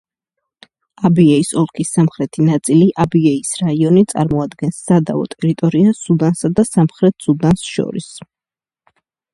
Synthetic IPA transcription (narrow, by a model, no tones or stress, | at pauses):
abiɛisɔlˠkʰisːamχɾɛt̪ʰinat̪sʼiliʔabiɛisɾaiɔnit̪sʼa̰ɾmɔad̪ɡɛnsːad̪avɔ̰t̪ʼɛɾit̪ʼɔɾiasud̪ansad̪asamχɾɛt̪ʰsud̪ansʃɔ̰ɾḭs